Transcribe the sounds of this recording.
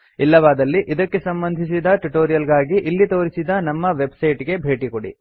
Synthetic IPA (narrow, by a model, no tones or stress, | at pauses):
ilːɐʋaːd̪ɐlːiʔid̪ɐkːe̞sɐmbɐnd̪ʱisid̪ɐʈuʈoːɾijɐlɡaːɡiʔilːit̪o̞ːɾisid̪ɐnɐmːɐʋe̞bsɐjʈɡe̞bʱe̞ːʈikoɽḭ